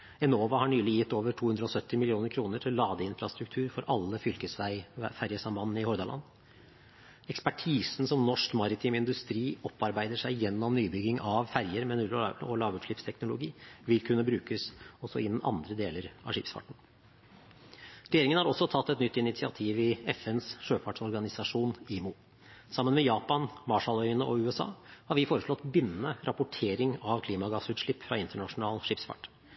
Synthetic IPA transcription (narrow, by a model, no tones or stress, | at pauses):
ɛnoːʋɑhɑɳyːlɪjɪt̪ːoːʋəʈʰuːhʉnd̪ɾəɔsœt̪ːɪmɪlɪuːnəɾkʰɾuːnəʈʰɪllːɑːd̪əɪnfɾɑst̪ɾʉk̚t̪ʰʉːɾfɔɾʔɑlːəfʏlkəsʋæɪfæɾjəsɑmbɑnnəɪhɔɾd̪ɑlɑ̰nː | ɛkspæʈʰiːsn̩sɔmnɔʂkmɑɾɪt̪ʰɪːmɪnd̪ʉst̪ɾiːɔpːɑɾbæɪd̪əʂæɪjɛnːɔmnyːbʏɡɪŋɑʋfæɾjəɾmɛnʉɔ̰lɑːʋʉʂɭɪpst̪ʰɛknʊlʊɡḭːʋɪlkʰʉnːəbɾʉːkəsɔsːɔɪnːn̩ʔɑ̰nd̪ɾəd̪eːləɾɑ̰ʂɪpsfɑ̰ʈːɳ̩ | ɾɛjeːɾɪŋənhɑɾɔsːɔt̪ʰɑt̪ːɛt̪nʏt̪ʰːɪnɪt̪sɪɑt̪ʰiːʋɪɛfɛnsʂøːfɑʈʂɔɾɡɑnɪsɑʂuːniːmʊ | sɑmːənmɛjɑːpɑnmɑʂɑlœʏənəʔɔʉːɛsɑ̰ːhɑɾʋɪfoːɾəʂlɔt̪ːbɪnːənəɾʔɑpʊʈʰeːɾɪŋɑʋkʰliːmɑɡɑsʉːt̪ʂɭɪpːfɾɑɪnt̪əɳɑʂʊnɑːlʂɪpsfɑ̰ʈː